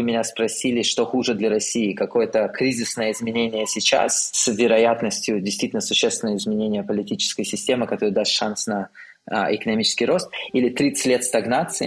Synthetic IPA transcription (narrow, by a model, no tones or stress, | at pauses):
ɨmʲɪnʲaspɾɐsʲilʲɪʂt̪oxuʐɨd̪lʲɐɾɐsʲiɪkɐko̞jət̪əkɾʲizʲɪsnəjəɪzmʲɪnʲenʲɪjəsʲɪt͡ɕa̰ssvʲɪɾɐjat̪nəsʲtʲjʊdʲɪjst̪vitʲɪlnəsʊɕːest̪vʲɪnəjəɪzmʲɪnʲenʲɪjəpəlʲɪtʲit͡ɕɪ̥skəjəsʲɪsʲtʲe̞mɨkɐt̪oɾɨd̪ast̪ʂansnɐ | ɪkənɐmʲit͡ɕɪ̥skʲɪjɾo̞st̪ilʲɪt̪ɾʲit̪sɨ̥tʲlʲet̪st̪ɐɡnat̪sɨɪ